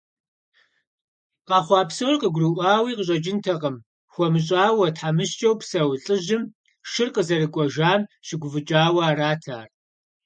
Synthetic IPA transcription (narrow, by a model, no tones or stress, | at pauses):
qɑːχʷɑːpsowrqəɡʷʊrɨʔʷɑːwiːqəɕʼɐd͡ʒɪntʰɐʁɐm | xʷɔmɨɕ̬ʼaːwɐtħamɨʃt͡ʃʼɐwpsɐwɬʼɨʒɪm | ʃɪrqəzɐrɨkʷʼɔʒaːmʃɪɡʷʊvɨt͡ʃʼaːwɐaːɾaːtʰa̰ːr